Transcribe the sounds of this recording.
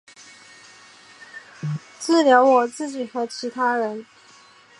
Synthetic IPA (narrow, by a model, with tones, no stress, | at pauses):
t͡sɹ̩˥˩ljɑ˧˥ʊwɔ˨˩t͡sɹ̩˥˩t͡ɕi˨˩xɤ˧˥t͡ɕʰi˧˥t̪ʰa˥ɻə˧˦n